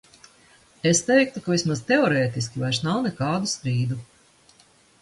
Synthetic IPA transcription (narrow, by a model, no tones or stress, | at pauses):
est̪ɛjk̚t̪ukavismazt̪eɔɾɛːt̪iskʲivajʃnawnɛkaːd̪ust̪ɾiːd̪u